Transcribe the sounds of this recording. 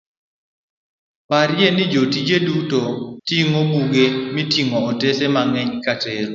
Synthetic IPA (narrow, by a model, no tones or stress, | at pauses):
paɾjenɪd͡ʒotid͡ʒedutotiŋobuɡemitiŋɔːtesemaŋɛɲkateɾo